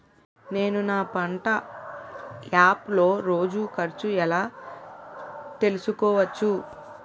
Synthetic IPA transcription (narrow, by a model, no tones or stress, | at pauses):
ne̞ːnunaːpɐɳʈɐ | aːplo̞ːɾo̞ːd͡ʒukɐɾt͡ʃuɛlaː | t̪e̞lusukɔːʋɐt͡ʃːu